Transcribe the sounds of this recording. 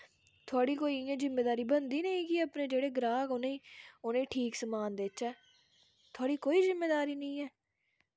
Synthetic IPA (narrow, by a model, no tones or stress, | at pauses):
t̪ʰoaːɽiːkoːiẽzɪmːeːd̪aːɾiːbənd̪iːnəĩːkiəpnẽːd͡ʒeːɽeːɡɾaːkoneiːʊnẽːʈʰiːksəmaːnd̪eːt͡ʃɛː | t̪ʰoʊaːɽiːkoːiːzɪmːeːd̪aːɾiːnəĩːɛː